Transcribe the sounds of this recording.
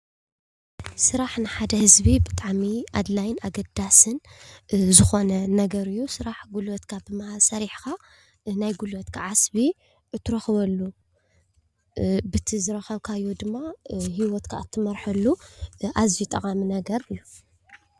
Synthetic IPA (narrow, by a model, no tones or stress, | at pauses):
sɨɾaħnɨħad̪ɐhɨzbibɨt̪ʼaʕmiʔad̪lajnaɡɐd̪asɨn | zɨxo̞nɐnɐɡɐɾɨjːusɨɾaħɡulwɐt̪kʰabɨmahalsɐɾiħkʰa | najɡulɐt̪kʰaʕasbi | ʔɨt̪ʰːɨɾɐxβɐlːu | bɨt̪ʰizɨɾɐxɐβkʰajːod̪ɨmːahiwɔt̪kʰa̰ʔt̪ʰːɨmɐɾħɐlːuʔazjut̪ʼɐkʼaminɐɡɐɾɨjːu